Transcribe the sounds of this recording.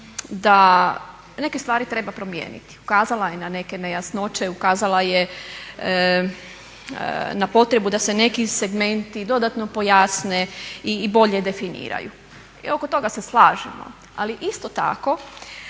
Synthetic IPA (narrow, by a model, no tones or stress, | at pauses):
d̪a | ne̞kest̪ʋaːɾit̪ɾe̞bapɾo̞mjḛːnḭt̪i̥ukaːzalajenane̞kenejasno̞t͡ʃe̞ukaːzalˠaje | napo̞t̪ɾe̞bud̪asene̞kise̞ɡme̞nt̪id̪o̞d̪at̪no̞po̞jaːsneibo̞ʎed̪e̞finḭːɾa̰jṵ | io̞kot̪o̞ɡaseslˠaːʒimo̰ | aliʔist̪ot̪a̰ko̞